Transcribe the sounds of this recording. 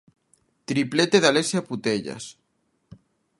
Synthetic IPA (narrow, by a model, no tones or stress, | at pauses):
t̪ɾiplet̪eðalesjaput̪eʎa̰s